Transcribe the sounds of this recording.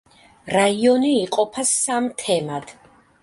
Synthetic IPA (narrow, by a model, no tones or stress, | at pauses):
ɾaiɔniːqʼɔpʰasamt̪ʰɛmad̪̥